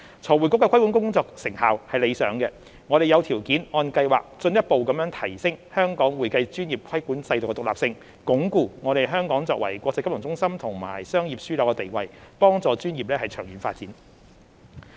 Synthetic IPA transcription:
t͡sʰɔː˨˩wuː˨˩jkʊ˥kːɛ˧kʷʰɐ˥jku˨˥nkʊ˥ŋŋt͡sɔː˧k̚sɪ˨˩ŋhaː˨whɐ˨jle˨˧jsœː˨˧˥ŋkɛ˧ | ŋɔː˨˧ɾe˨jɐ˨˧wt̪ʰiː˨˩wkiː˨˥nɔː˧nkɐ˧jwaː˨k̚t͡sɵ˧njɐ˥t̚po˨wkɐ˨˧mjœː˨˥ŋt̪ʰɐ˨˩jsɪ˥ŋhœː˥ŋkɔː˨˥ŋwuː˨˩jkɐ˧jt͡ʃyː˥njiː˨˩p̚kʰɐ˥jkuː˨˥nt͡sɐ˧jt̪ʊ˨kɛ˧t̪ʊ˨kla̰ː˨p̚sɪ˧ŋ | kʊ˨˥ŋkuː˧ŋɔ˨˧ɾe˨jɦœː˥ŋkɔː˨˥ŋt͡sɔː˨kwɐ̰˨˩jkʷɔː˧k̚t͡sɐ˧kːplʊ˨˩ŋt͡sʊ˥ŋsɐ˥mt̪ʰʊ˨˩ŋma̰ː˨˩jsœː˥ŋjiː˨p̚syː˥lɔː˨˥wkɛ˧t̪e˨jwɐ˨˧jpɔː˥ŋt͡sɔː˨t͡ʃyː˥njiː˨p̚lɛː˥hɐ˨˩jt͡ʃʰœː˨˩ŋjyː˨˥nfaː˧t̚t͡siː˨˥n

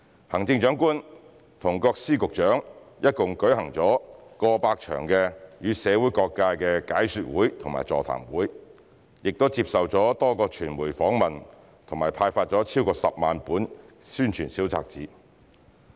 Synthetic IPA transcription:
hɐ˨˩ŋt͡sɪ˧ŋt͡ʃœː˨˥ŋkuː˥n | t̪ʰʊ˨˩ŋkɔː˧k̚siː˥kʊ˨k̚t͡ʃœː˨˥ŋjɐ˥t̚kʊ˨ŋkɵ˨˥ɥhɐ˨˩ŋt͡sɔː˨˥kɔː˧paː˧k̚t͡ʃʰœ̰ː˨˩ŋkɛ˧jyː˨˧sɛː˨˧wu˨˥jkɔː˧kːaː˧kɛ˧kaː˨˥jsyː˨˧t̚wuː˨˥jt̪ʰʊ˨˩ŋma̰ː˨˩jt͡sɔ̰ː˨˩t̪ʰa̰ː˨˩mwuː˨˥j | jɪ˨k̚t̪o˥wt͡siː˧p̚sɐ˨wt͡sɔː˨˥t̪ɔː˥kɔː˧t͡ʃʰyː˨˩nmuː˨˩jfɔː˨˥ŋmɐ˨n | t̪ʰʊ˨˩maː˨˩jpʰaː˧jfaː˧t̚t͡sɔː˨˥t͡sʰiː˥wkɔː˧sɐ˨p̚maː˨npuː˨˥nsyː˥nt͡ʃʰyː˨˩nsi˨˥wt͡sa̰ː˧k̚t͡sḭː˨˥

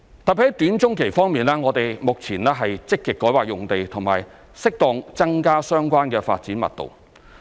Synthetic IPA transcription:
t̪ɐ˨˩pi˨˥hɐ˨˥jt̪yː˨˥nt͡ʃʊ˥ŋkʰe˨˩jfɔː˥ŋmiː˨nlɛː˥ŋɔː˨˧t̪e˨jmʊ˨k̚t͡sʰiː˨˩nɛː˥ɦɐ˨jt͡sɪ˥kːɪ˨kːɔː˨˥jwaː˨k̚jʊ˨˩ŋt̪e˨jt̪ʰʊ˨˩ŋma̰ː˨j | sɪ˥k̚t̪ɔː˧ŋt͡sɐ˥ŋkaː˥sœː˥ŋkʷaː˥nkɛː˧fa̰ː˧t̚t͡siː˨˥nmɐ̰˨t̚t̪o̰˨w

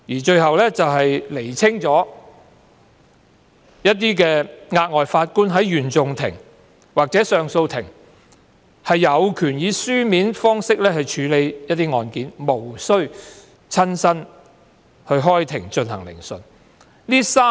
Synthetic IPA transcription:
jiː˨˩t͡ʃɵ˧ɥhɐ˨wlɛː˥t͡sɐ˨wɦɐ˨jle˨˩jt͡sʰɪ˥ŋt͡sɔː˨˥ | jɐ˥t̚t̪iː˥k̬ɛː˧ŋaː˧t̚ŋɔː˨jfaː˧t̚kuː˥nɦɐ˨˥jːyː˨˩nt͡sʊ˨ŋt̪ʰɪ̰˨˩ŋ | waː˨k̚t͡sɛː˨˥sœː˨ŋso˧wt̪ʰɪ˨˩ŋ | hɐ˨jːɐ˨˧wkʰyː˨˩njiː˨˧syː˥miː˨˥nfɔː˥ŋsɪ˥k̚lɛː˥hɐ˨jt͡ʃʰyː˨˥le˨˧jjɐ˥t̚t̪ːiː˥ŋɔː˧nkiː˨˥nmo˨˩wsɵ˥ɥ | t͡sʰɐ˥nsɐ˥n | hɵ˧ɥɦɔː˥jt̪ʰɪ˨˩ŋt͡ʃɵ˧nhɐ˨˩ŋlɪ̰˨˩ŋsɵ˨˧n | liː˥saː˥

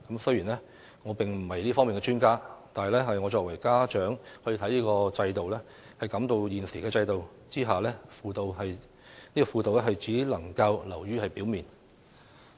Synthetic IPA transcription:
kɐ˨˥msɵ˥ɥjiː˨˩nlɛ˥ | ŋɔː˨˧pɪ˨ŋm̩˨˩hɐ˨jliː˥fɔː˥ŋmiː˨nkɛ˧t͡ʃyː˥nkaː˥t̪aː˨nhɐ˨jlɛː˥ɦɐ˨jŋɔː˨˧t͡ʃɔː˧k̚wɐ˨˩jkaː˥t͡ʃœː˨˥ŋhɔː˧jiː˧t̪ʰɐ˨˥jliː˥kɔː˧t͡sɐ˧jt̪o˨wlɛː˥ | hɐ˨jkɐ˨˥mt̪o˧wjiː˨nsiː˨˩kɛː˧t͡sɐ˧jt̪o˨w | t͡siː˥ɦaː˨˩lɛː˥fuː˧t̪o˨wɦɐ˨j | niː˥kɔ˧fuː˧t̪o˨wɛ˥ɦɐ˨jt͡siː˨˥lɐ˨˩ŋkɐ˧wlɐ˨˩wjyː˥hɐ˨jpiː˨˥wmiː˨˩n

